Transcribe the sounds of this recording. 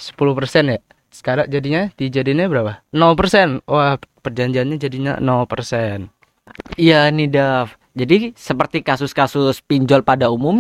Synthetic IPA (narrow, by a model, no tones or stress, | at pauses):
sə̥pulupərsɛnja | sə̥kaɾak̚d͡ʒadiɲadid͡ʒadiɲabəɾapanɔlpərsɛnwahpərd͡ʒaɲd͡ʒianɲad͡ʒadiɲa̰nɔlpərsɛn | ijanidaf | d͡ʒadisəpərt̪ikasʊskasʊspiɲd͡ʒɔlpadaumʊm